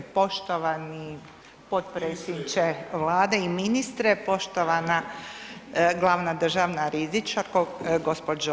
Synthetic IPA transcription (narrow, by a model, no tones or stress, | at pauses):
po̞ʃt̪oʋani | pot̪pɾesiɲt͡ʃeʋlaːd̪eiminist̪ɾepo̞ʃt̪oʋana | ɡlˠaːʋnad̪r̩ʒaʋnaɾizit͡ʃaɾkoɡospod͡ʒo